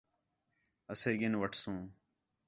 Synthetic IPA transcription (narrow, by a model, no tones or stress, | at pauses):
əseːɠɪnʋəʈʰsũː